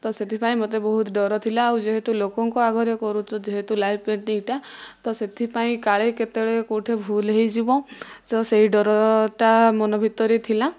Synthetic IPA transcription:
t̪ɔset̪ʰipaĩmot̪ebɔɦut̪ɖɔɾɔt̪ʰilaːwd͡ʒeɦet̪ulokɔŋkɔaɡʱɔɾjɔkɔɾut͡ʃʰɔd͡ʒeɦet̪ulajppeʈniŋʈat̪ɔset̪ʰipaĩkaɭeket̪eɭekoʈʰebʱulɦejd͡ʒibɔ̃sɔseɦiɖɔɾɔʈamɔnɔbʱit̪ɔɾet̪ʰila

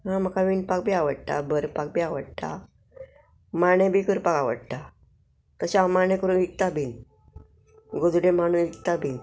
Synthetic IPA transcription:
ɦãm̤əkaʋinpak̚bʱiːaʋəɽt̪a̰bəɾpak̚biːaʋəɽ̚t̪a̰ | maɽ̃ẽbʱiːkəɾpakaʋə̰ɽt̪a | t̪əɕamanẽkəɾuːnʋik̚t̪abʱiːn | ɡod͡zuɽẽm̤aɽ̃uːnʋikt̪abʱiːn

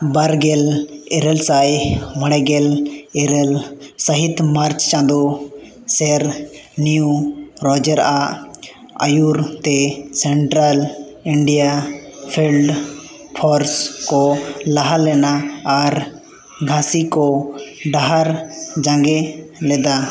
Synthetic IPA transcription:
baɾɡɛlɛɾɛlsajməɽɛɡɛlɛɾɛlsəɦit̪maɾt͡ʃt͡ʃãnd̪u | sɛɾniuɾɔd͡ʒəɾa | a̰juɾt̪ɛsɛɳʈɾaliɳɖijapʰilɖ | pʰɔɾskɔlaɦalɛnaːɾ | ɡʱãsikɔɖaɦaɾd͡ʒãŋɡɛlɛd̪a

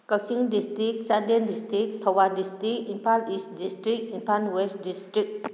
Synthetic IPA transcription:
kɐk̚siŋdistɾik̚saɾdendistɾik̚tʰawadistɾikinpʰalistdistɾikimpʰanwestdistɾik̚

